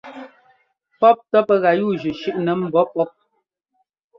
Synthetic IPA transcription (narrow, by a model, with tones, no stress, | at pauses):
pɔ˦p̚tɔ˦pə˦ɣa˨juː˦˨d͡ʒʉ˨ʃʉ˦ʔnə˨m̩˨bɔ˨˦pɔ˦p̚